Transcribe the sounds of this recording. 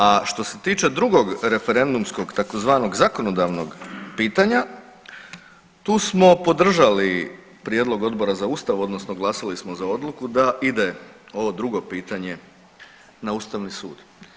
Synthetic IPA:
aʃt̪o̞se̞t̪iːt͡ʃe̞d̪ɾuɡo̞ɡɾe̞fe̞ɾe̞nd̪umsko̞ɡt̪akozʋaːno̞ɡzako̞no̞d̪aʋno̞ɡpiːt̪aɲa | t̪uːsmo̞po̞d̪r̩ʒali | pɾjeːd̪lo̞ɡo̞d̪bo̞ɾazauːst̪aʋo̞d̪no̞sno̞ɡlˠasalismozao̞d̪lˠukud̪aʔid̪eo̞ʋo̞d̪ɾuɡo̞piːt̪aɲe̞ | nauːst̪aʋnisṵːd̪̥

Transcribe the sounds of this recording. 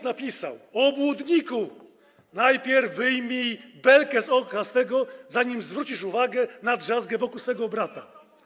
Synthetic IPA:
napʲisa̰wɔbwud̪ɲiku | najpʲjɛɾvːɘjmʲibɛlkɛzɔkasfɛɡɔzaɲimzvɾut͡ɕiʂuvaɡɛnadʐazɡɛvɔkuwsfɛɡɔbɾat̪a

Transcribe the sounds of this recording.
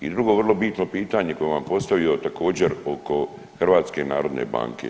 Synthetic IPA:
id̪ɾuɡo̞ʋrlˠo̞bit̪no̞piːt̪aɲeko̞jeʋampo̞st̪aʋijo̞t̪akʰo̞ːd͡ʑeɾo̞ko̞ | xr̩ʋaːt̪ske̞naːɾo̞d̪nḛba̰ːŋkḛ

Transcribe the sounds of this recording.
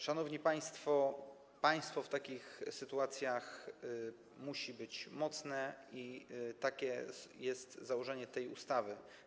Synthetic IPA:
ʂanɔvɲipaj̃st̪fɔ | paj̃st̪fɔft̪akʲixsɘt̪uat̪sʲjax | muɕibɘt͡ɕmɔt̪snɛit̪akʲɛjɛst̪zawɔʐɛɲɛt̪ɛjṵst̪avɘ

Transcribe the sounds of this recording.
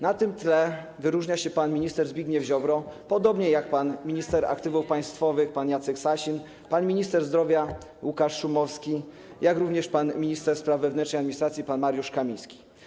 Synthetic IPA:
nat̪ɘmt̪lɛ | vɘɾuʐɲaɕɛpanmʲiɲist̪ɛɾzbʲiɡɲɛvʑɔbɾɔpɔd̪ɔbɲɛjakpanmʲiɲist̪ɛɾa̰k̚t̪ɘvufpaj̃st̪fɔvɘxpanjat̪sɛksaɕin | panmʲiɲist̪ɛɾzd̪ɾɔvʲja | wukaʂʂumɔfskʲi | jakɾuvɲɛʂpanmʲiɲist̪ɛɾspɾavːɛvnɛntt͡ʂnɛjad̪mʲiɲist̪ɾat̪sʲjipanmaɾjuʂkamʲijskʲi̥

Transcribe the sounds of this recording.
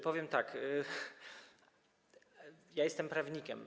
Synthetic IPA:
pɔvʲjɛmt̪ak | jajɛst̪ɛmpɾavɲikʲɛ̰m

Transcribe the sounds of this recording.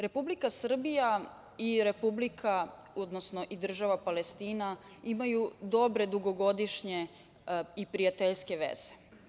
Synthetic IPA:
ɾe̞publikasr̩bija | iɾe̞publikʰa | od̪nosno̞ʔid̪r̩ʒaʋapale̞st̪iːnaimajud̪o̞bɾe̞d̪uɡo̞ɡo̞d̪iʃɲe̞ | ipɾijat̪eʎske̞ʋḛz̥e̥

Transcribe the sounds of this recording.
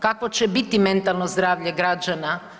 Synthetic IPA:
kakot͡ɕebit̪ime̞nt̪alˠnozd̪ɾaːʋʎeɡɾad͡ʒana

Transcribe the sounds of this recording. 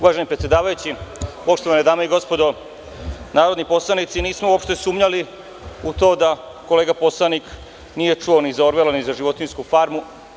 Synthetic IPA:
uʋaʒenipɾet̪sʲjed̪aːʋajut͡ɕipoʃt̪o̞ʋaned̪aːmeiɡo̞spo̞d̪o̞ | naːɾod̪nipo̞slˠanit̪siniːsmouopʃt̪e̞suːmɲali | ut̪o̞ːd̪a | ko̞leːɡapo̞slˠanik | nije̞t͡ʂuonizaoɾʋelanizaʒiʋo̞t̪inskufaɾmu

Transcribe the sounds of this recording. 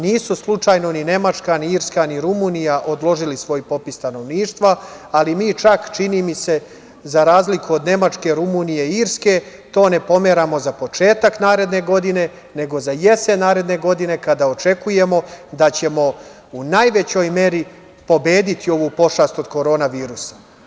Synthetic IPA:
niːsuslˠut͡ʃaːjno̞nine̞mat͡ʃkaniiɾskaniɾumunijaʔo̞d̪lˠo̞ʒilisʋo̞jpo̞pist̪ano̞ʋniːʃt̪ʋaalimiːt͡ʃakt͡ʃiniːmise̞ | zaɾaːzlikuod̪ne̞mat͡ʃke̞ɾumuːnije̞iɾske̞ | t̪o̞ːne̞po̞me̞ɾamo̞zapo̞t͡ʃe̞ːt̪aknaːɾe̞d̪ne̞ɡo̞d̪ine̞ | ne̞ɡo̞zaje̞se̞naːɾe̞d̪ne̞ɡo̞d̪ine̞kad̪ao̞t͡ʃe̞kuje̞mo̞d̪at͡ɕe̞mo̞ | unajʋe̞t͡ɕo̞jme̞ɾi | po̞be̞ːd̪it̪io̞ʋupo̞ʃast̪o̞d̪ko̞ɾo̞ːnaʋiːɾusḁ

